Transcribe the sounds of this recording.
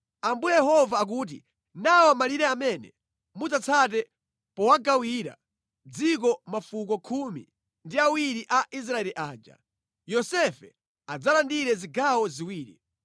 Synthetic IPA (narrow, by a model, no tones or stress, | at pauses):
ambujjɛhɔvaːk̬uːt̬ḭ | nawɔamaliɾɛamɛnɛ̰ | mud͡zat͡sʰat̬ɛ | pɔwaɡawiːɾa̰ | d͡zik̬ɔmafukɔkʰumḭ | ndiawiɾiʔaʔis̬ɾaɛliʔaːd͡ʒa̰ | jɔsɛfɛ | ad͡zalandiɾɛziɡawɔziwiːɾḭ